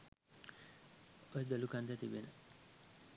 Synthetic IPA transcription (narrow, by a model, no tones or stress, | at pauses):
ojed̪olukand̪at̪ibenə